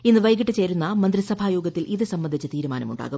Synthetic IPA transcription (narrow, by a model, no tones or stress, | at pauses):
inːɨʋɐjɡiʈːɨt͡ɕe̞ːɾunːɐmɐnd̪risɐbʱaːjuːɡɐt̪ːilʔiðɨsɐmbɐnd̪ʱit͡ɕːɨt̪iːɾumaːnɐmuɳɖa̰ːɣu